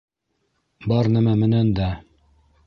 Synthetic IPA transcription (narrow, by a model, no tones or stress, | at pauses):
bɑɾnæmæmɘ̆nænd̪æ